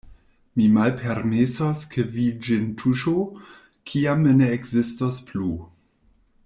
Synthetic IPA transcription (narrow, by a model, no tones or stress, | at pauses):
mimalpʰeɾmesoskʰevid͡ʒentʰuʃo | kʰiamneːkzistosplu